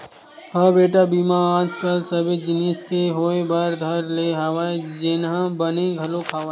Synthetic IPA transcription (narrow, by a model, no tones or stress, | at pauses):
ɦɐbeːʈabiːmããːd͡ʒkəlsəbed͡ʒɪniːskeɦoːebaɾd̪ʱɐɾleɦɐʋaːed͡ʒɪnɦãbɐneɡʱɐlokʰaːʋaː